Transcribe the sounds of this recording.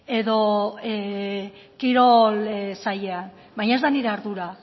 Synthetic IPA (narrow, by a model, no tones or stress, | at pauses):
e̞ðo̞ | kiɾo̞lsajean | bajɲae̞zd̪aniɾe̞aɾðuɾa